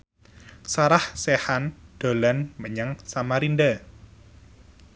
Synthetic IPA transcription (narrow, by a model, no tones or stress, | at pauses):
saɾahsehand̥o̤lanməɲaŋsamaɾinɖa